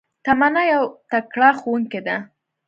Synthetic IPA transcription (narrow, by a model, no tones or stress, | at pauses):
t̪amanajawt̪akɽɑxowuŋked̪a